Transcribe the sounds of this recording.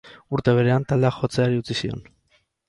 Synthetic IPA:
uɾt̪e̞β̞e̞ɾe̞ant̪ald̪eaxo̞t͡se̞aɾiut͡sisio̞̰n

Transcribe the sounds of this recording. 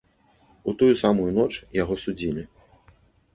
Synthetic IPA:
ut̪ujusamujunɔt͡ʂjaɣɔsud͡zʲilʲi

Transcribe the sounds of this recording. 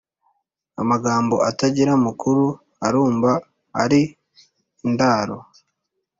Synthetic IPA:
a̰maɡaːmbo̞̰ʔataɟiɾamukuɾu | aɾuːmva̰ː | ɾi | ndaːɾo̰

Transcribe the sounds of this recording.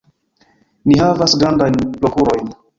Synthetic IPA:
nihavasɡɾandajnplo̞kuɾo̞jn

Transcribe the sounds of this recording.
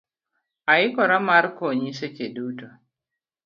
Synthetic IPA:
aɪkɔɾamaɾkoɲiset͡ʃeduto

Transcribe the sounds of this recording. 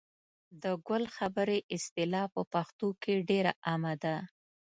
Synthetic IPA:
d̪əɡəlxabəɾeʔɪst̪ɪlɑpəpaxt̪okeɖeɾaʔamad̪a

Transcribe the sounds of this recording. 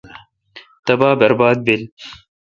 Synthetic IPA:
t̪ɐbaːbɐɾbɑːd̪̚bɪl

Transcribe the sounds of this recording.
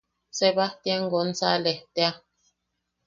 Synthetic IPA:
sɛbatjɛŋ̩ɡon̩t͡salɛtea

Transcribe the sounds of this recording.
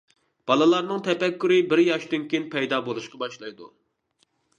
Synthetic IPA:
b̥ɑlˠɨlˠɑɾnɨŋt̪ʰɛpɛkʲːyɾɪbɪɾjɑʃd̪ynkʲʰejinpʰɛjd̪ɑːbolˠuʃqɑbɑʃlˠɑjd̪ṵ

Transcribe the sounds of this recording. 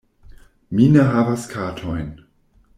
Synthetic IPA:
mineɦavaskʰaːtʰojn

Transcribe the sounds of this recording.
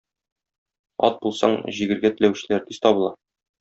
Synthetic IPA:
ɒ̰t̪̚bulˠsɑ̰ɴʑiɡɘ̆ɾɡæt̪ɘ̆læwɕɘ̆læɾt̪iz̥t̪ɒbɤ̆lˠɑ

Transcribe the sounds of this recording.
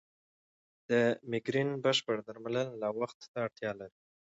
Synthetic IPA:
d̪̥əmɪɡɾinbəʃpəɽd̪aɾmalənːawaxt̪ːaːɽt̪jɑlaɾi

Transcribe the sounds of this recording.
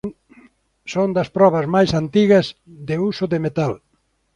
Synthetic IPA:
sond̪ɐspɾɔβɐzmajsant̪iɣɐzðeusʊðemet̪al

